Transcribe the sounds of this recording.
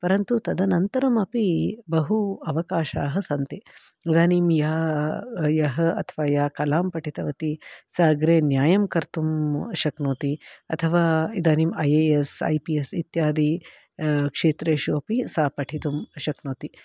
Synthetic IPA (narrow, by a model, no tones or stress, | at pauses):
pɐɾɐnt̪ut̪ɐd̪ɐnɐnt̪ɐɾɐmɐpibɐɦuɐʋɐkaːʃaːɦɐsɐnt̪i | id̪aːnimjaː | jɐɦɐɐt̪ʰɐʋaːjaːkɐlaːmpɐʈʰit̪ɐʋɐt̪isaːɡɾeːnjaːjɐmkɐɾt̪umʃɐknoːt̪iɐ̰t̪ʰɐʋaːid̪aːniːmɐjeːesɐ̰jpiesit̪jaːd̪i | kʂeːt̪ɾeːʃuɐpisaːpɐʈʰit̪umʃɐknoːt̪i